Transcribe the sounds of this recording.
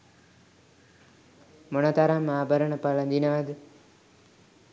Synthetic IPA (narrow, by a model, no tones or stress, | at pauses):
monət̪aɾamːaːbʱəɾəɳəpalɐnd̪inad̪